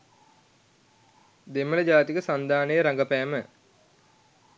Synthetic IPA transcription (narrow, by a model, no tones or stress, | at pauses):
d̪emːələd͡ʒaːt̪ikəsand̪aːnəjəɾaŋɡəpæːmə